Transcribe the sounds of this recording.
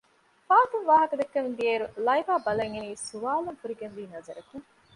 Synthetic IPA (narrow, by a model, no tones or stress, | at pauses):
faːt̪uŋʋaːɦɐkɐd̪ekːɐmnd̪ieːɾulɐjbaːbɐlɐŋeniːsuʋaːluŋfuɾiɡenʋiːnɐzɐɾɐkuŋ